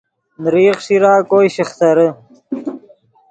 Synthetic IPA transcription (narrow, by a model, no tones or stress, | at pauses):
nɾiːχʂiɾaːkoːjɕiχt̪ɐɾə